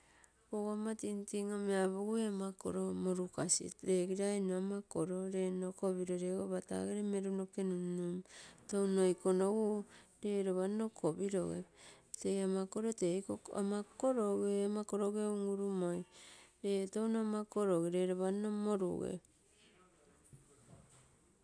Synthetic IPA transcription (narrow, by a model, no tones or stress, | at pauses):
koɡamatintiŋomeaβuɡueamako̰ɾomoɾukasḭɾe̞ɡiɾainuamakoɾo̞ɾe̞nokoβiɾo̞ɾeɡoβata̰ɡeɾeme̞ɾunokenunnumtonojkonoɡuɾe̞ɾoβano̞kʰobiɾo̞ɡḛtejamako̞ɾotekoa̰makoɾoɡeamakoɾoɡeuŋuɾumojɾetownoamakoɾoɡeɾeɾoβannomoɾṵɡḛ